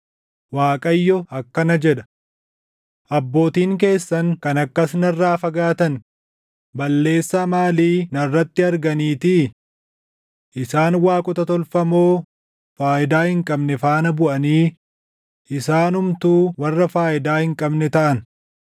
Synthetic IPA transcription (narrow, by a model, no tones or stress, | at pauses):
waːkʼɐjːɔɐkːɐnɐd͡ʒɛᶑɐ̥ | ʔɐbːo̞ːt̪iːŋk̬e̞ːsːɐŋkɐnɐkːɐsnɐrːaːfɐɡaːt̪ɐn | bɐlːe̞ːsːaːmaːliːnɐrːɐt̪ːɪɐɾɡɐniːt̪i | ʔɪsaːnwaːkʼʊt̪ɐt̪ɔlfɐmoː | faːʔɪd̪aːhɪŋkʼɐbnɛfaːnɐbʊʔɐniː | ʔɪsaːnʊmt̪uːwɐrːɐfaːʔɪd̪aːhɪŋkʼɐbnɛt̪ɐʔɐn